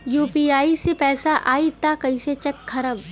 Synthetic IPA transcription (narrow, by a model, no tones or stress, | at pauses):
juːpiːaːisepɛːsaʔaːit̪akɐĩset͡ʃɐkkʰːɐɾəʋ